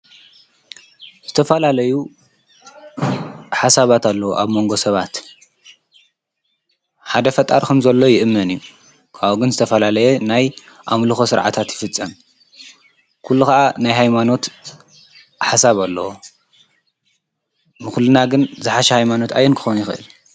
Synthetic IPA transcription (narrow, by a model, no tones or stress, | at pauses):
z̥ɨt̪ʰɐfɐlalɐju | ħasaβat̪alːɐwoʔaβmo̞ŋɡo̞sɐβat̪ | ħad̪ɐfɐt̪ʼːaɾkʰomzɐlːo̞jɪʔɨmːɐnɨjːu | kʰaβoɡɨnzɨt̪ʰɐfɐlalɐjenaj | ʔamlɨxosɨɾʕa̰t̪ʰat̪jɪfɨt͡sʼːɐm | kʰulːukɐʔanajɦajmano̞t̪ | ħasaβalːɐwo | nɨxulːɨnaɡɨnzɨħaʃɐhajmano̞t̪a̰jɛnkʰɨ̥xonjɪxʔɨ̰l